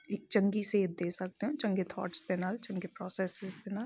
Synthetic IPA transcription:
ɪk̚t͡ʃɐ̃ŋɡiseːt̪̚d̪eːsɐk̚t̪eɦɛ̃t͡ʃɐ̃ŋɡet̪ʰɔ̰ːʈsd̪enaːlt͡ʃɐ̃ŋɡepɾɔːseːsɪzd̪enaːl

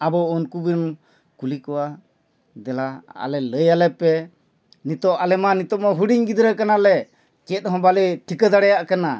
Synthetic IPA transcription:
abɔɔnkubin | kulikɔwa | d̪ɛlaa̰lɛləjalɛpɛ | nit̪ɔʔalɛmanit̪ɔʔmɔɦuɽiɲɡid̪ɾəkanalɛ | kɛt̪̚ɦɔ̃baliʈʰikəd̪aɽɛjaʔkana

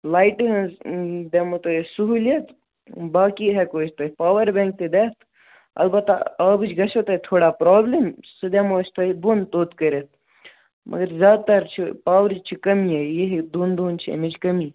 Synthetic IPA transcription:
laːiʈɦɐ̃nzd̪emot̪ojesuɦulijɐt̪ʰ | baːkiɦɛkoːt͡ʃt̪ɐpaːʋɐɾbẽːŋk̚t̪ed̪eːt̪ʰ | ɐ̰lbɐt̪ːaɐːbɨt͡ʃɡɐsot̪ɐt̪ʰoːɽaːpɾoːblemsɨd̪emoːt͡ʃt̪ʰɐibunt̪oːt̪kəɾet̪̚ʰ | mʔɐ̰ɡɐɾzʲjaːd̪̚t̪ɐɾt͡ʃʰipaːʋɾd͡ʒt͡ʃʰikɐmiejiɦd̪uːnd̪uːnt͡ʃʰḭmid͡ʒkɐmiː

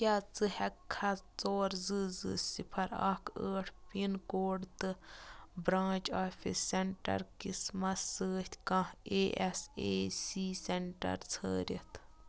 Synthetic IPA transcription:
kʲjaːt͡sɨhɛkʰːɐt͡soːɾzɨːzɨ̰sipʰɐɾɐ̰kʰəːʈʰpinkoːɽt̪ɨbɾãːt͡ʃaːfʰisːeɳʈɐ̰ɾkismɐsəːht̪ʰʲkɐ̃heːʔɛseːsiːseɳʈɐ̰ɾt͡sʰə̰ːɾʲit̪

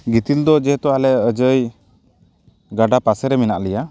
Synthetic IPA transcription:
ɡit̪ild̪ɔd͡ʒɛɦɛt̪ɔalɛəd͡ʒəj | ɡaɖapasɛɾɛminaʔlɛja

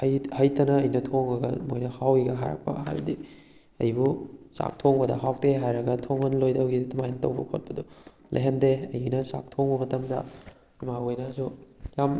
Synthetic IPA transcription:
ɐjhɐjtɐnɐːjnɐtʰoŋɾɐɡɐ̰mojnɐhawiɡɐɦa̰ɾɐ̰k̚pɐ̰ha̰jbɐdi | ɐ̰jbusa̰k̚tʰoŋbɐdɐ̰ɦawteɦajɾɐɡɐtʰoŋhɐnlojdɐwɡitɐmajnɐtɐ̰wbɐkʰot̚pɐdu | lʔɐ̰ɦendeɐjnɐsa̰k̚tʰoŋbɐmɐtɐmdɐ̰ | imaojnɐsujam

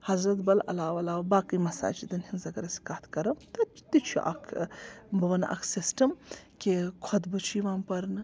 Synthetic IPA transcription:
hɐzɾɐt̪bɐlɐ̰laːʋɐlaːʋbaːkɨjmɐsa̰ːt͡ʃʰid̪ɐnhinzɐɡɐɾɐsi̥kaːt̪ʰkɐɾɐmt̪ɐ̥t̪it͡ʃʰṵʔa̰kʰbɐʋɐna̰kʰsisʈɐmkekʰot̪bɨt͡ʃʰiʋaːmpɐɾnɨ

